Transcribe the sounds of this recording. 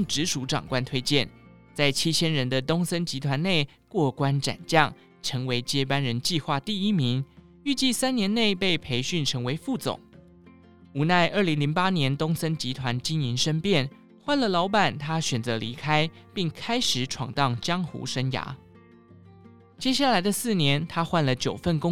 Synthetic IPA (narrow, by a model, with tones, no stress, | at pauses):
ʈ͡ʂɻ̩˧˥ʂu˧˥ʈ͡ʂɑ̰˨˩ŋkwa˥˧nt̪ʰwe˥ɪt͡ɕjɛ˥˩n | t͡sa˥˩ɪt͡ɕʰi˥t͡ɕʰjɛ˥nɻə˧˥nd̪ə˨t̪ʊ˥ŋsə˥nt͡ɕi˧˥t̪ʰwa˧˥ne˥˩ɪ | kwɔ˥˩kwa˥nʈ͡ʂa̰˨˩nt͡ɕjɑ˥˩ŋ | ʈ͡ʂʰɤ˧˥ŋwe˧˥ɪt͡ɕjɛ˥pa˥nɻə˧˥nt͡ɕi˥˧xwa˥˧t̪i˥˩i˥mi˧˥ŋ | y˥˧t͡ɕi˥˧sa˥njɛ˧˥nne˥˧ɪpe˥˩ɪpʰe˧˥ɪɕy˥˩nʈ͡ʂʰɤ˧˥ŋwe˧˥ɪfu˥˨˩t͡sʊ̰˨˩˦ŋ | u˨˥na˥˧ɪʔə˞˥˩li˧˥ŋli˧˥ŋpa˥njɛ˧˥nt̪ʊ˥ŋsə˥nt͡ɕi˧˥t̪ʰwa˧˥nt͡ɕi˥ŋi˧˥nʂə˥npjɛ˥˩n | xwa˥˩nlə˨lɑ˧˥ʊpa˨˩nt̪ʰa˥ɕɥɛ˨˩nt͡sɤ˧˥li˧˥kʰa˥ɪ | pi˥˩ŋkʰa˥ɪʂɻ̩˨˥ʈ͡ʂʰwɑ̰˨˩ŋt̪ɑ˥˩ŋt͡ɕjɑ˥ŋxṵ˧˥ʂə˥nja̰˧˥ | t͡ɕjɛ˥ɕja˥˩la˧˥ɪd̪ə˧sɹ̩˥˩njɛ˧˥nt̪ʰa˥xwa˥˩nlə˩t͡ɕjo˨˩ʊfə˥˩nkʊ˥